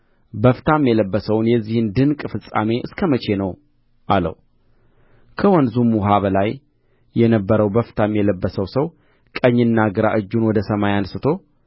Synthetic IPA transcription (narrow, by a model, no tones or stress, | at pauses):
bəft̪ʰamjɛləbːəsəwnjɛzːihɨnd̪ɨnkʼfɨsʼːa̰me̞ʔɨskʰəmət͡ʃʰe̞nəw | ʔalə̰w | kʰəwɔnzumuɦaβəlaj | jɛnəbːəɾəwbəft̪ʰamjɛləbːəsəwsəw | kʼəɲːɨnːaɡɨɾaʔɨd͡ʒːunwɔd̪əsəmajansɨt̪ʰo̞